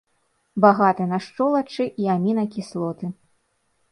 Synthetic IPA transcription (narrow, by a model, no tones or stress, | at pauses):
baɣat̪ɨnaʂt͡ʂɔlˠɐt͡ʂɨʔiamʲinɐkʲislˠɔt̪ɨ